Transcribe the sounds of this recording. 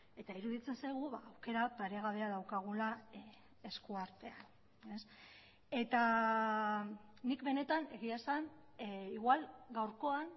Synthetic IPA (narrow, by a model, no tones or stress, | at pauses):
e̞t̪aiɾuðit͡se̞nsajɣ̞uβaːwke̞ɾapaɾe̞ɣaβe̞aðawkaɣ̞ula | e̞skuaɾt̪e̞an | e̞s | e̞t̪a | nikβe̞ne̞t̪ane̞ɣiasaniɣwalɡawɾko̞an